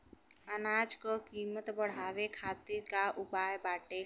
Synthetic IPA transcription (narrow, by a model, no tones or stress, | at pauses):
ənaːd͡ʒkɔkiːmət̪bəɽ̤aːʋekʰaːt̪iɾkaʊpaːjbaːʈe